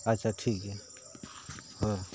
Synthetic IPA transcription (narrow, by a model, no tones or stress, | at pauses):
ətːʃʰaʈʰiːkɦɛ | ɦɔːɾ